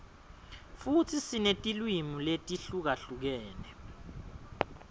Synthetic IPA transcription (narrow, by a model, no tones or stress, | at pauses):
futʰisinetʼilwimuletʼiɬuk̬aɬuk̬ɛːnɛ